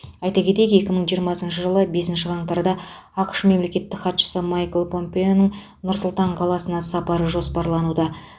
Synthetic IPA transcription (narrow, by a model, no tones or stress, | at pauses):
ɑjt̪ɑkʲe̞t̪eke̞kʲɪməɴʒijəɾmɑsənʃəʒəlˠəbe̞sɪnʃɪʁɑɴt̪ɑɾd̪ɑ | ɑqə̥ʃme̞mle̞kʲe̞t̪ːɪkχɑt̪ʃə̥səmajklˠpʰo̞mpe̞onəɴ | nʊɾsʊlˠt̪ɑɴqʰɑlˠɑsənɑsɑpɑɾəʒo̞spɑɾlˠɑnud̪ɑ